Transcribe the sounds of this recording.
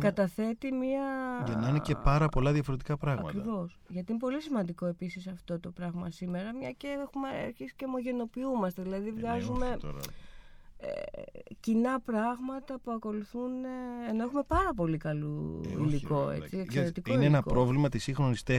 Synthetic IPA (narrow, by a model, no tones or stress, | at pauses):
kɐt̪ɐθe̞t̪imiɐʝɐnɐinecepɐɾɐpo̞lɐðjɐfo̞ɾe̞t̪ikɐpɾɐɣɐmɐ̰kɾivo̞sʝɐt̪iinepo̞lisimɐnd̪iko̞e̞pisisɐft̪o̞t̪o̞pɾɐɣmɐsime̞ɾɐmɲɐceexumeɐ̰ɾçisi̥cemo̞ʝe̞no̞piumɐst̪e̞ðilɐðivɣɐzume̞ | ḛcinɐpɾɐɣmɐt̪ɐpuɐko̞luθuneeno̞e̞xume̞pɐɾɐpo̞likɐlṵḭliko̞ḛt͡st͡sieksɾet̪ikoineenɐpɾo̞vlimɐt̪isĩxɾo̞nist̪e